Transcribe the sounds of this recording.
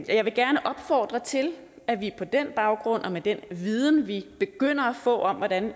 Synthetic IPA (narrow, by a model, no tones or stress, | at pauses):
jɑɪʋe̝ɡ̥æɐnəʔɒ̽b̥fɒːd̥ʁɐt͡sʰe̝l | æʋipʰɒ̽d̥en̰b̥ɑ̈ʊɡ̥ʁɔ̽n̰ɒ̽med̥enʋiːð̞ˠn̩ʋib̥e̝ɡ̥øn̰ɐæfɔ̰̽ːɒ̽mʋɒdæn